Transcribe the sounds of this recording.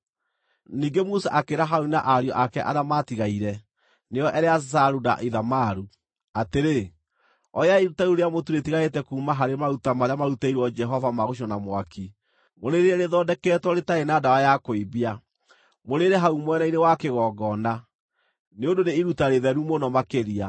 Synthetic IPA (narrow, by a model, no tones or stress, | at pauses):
niːɡemusaʔakeɾaɦaunaʔaɾjɔʔakɛʔaðamatiɣaiɾɛ | neɔʔɛɾeasaɾuna̰ʔiðamaɾu | ateɾe | ɔjaiɾutauɾeamotuɾetiɣaetɛkuːmaɦaɾemaɾutamaɾamaɾutaiɾwɔd͡ʒɛɦɔvamaɣoʃ̬ɔnamwakʰi | moɾeɾeɛɾeðɔdɛkɛtwɔɾetaenadawajakoibia | moɾeɾeɦaumwɛnainewakeɣɔːɡɔna | neondoneiɾutaɾeðɛɾumonɔmakeɾia